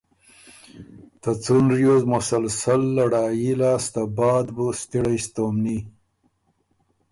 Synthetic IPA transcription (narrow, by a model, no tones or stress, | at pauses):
t̪ɐt͡sunɾjozmʊsɐlsɐlːɐɽaːjilaːst̪abaːd̪bust̪iɽajst̪oːmni